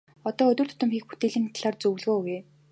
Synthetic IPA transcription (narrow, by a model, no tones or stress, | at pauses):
ɔt̪ɔːɵt̪ʲɵ̆rt̪ʰʊ̥t̪ə̆mxiːk̚put̪eːɮiːnt̪ʰaɮaːrt͡sɵw̆ɮɣoːɣeː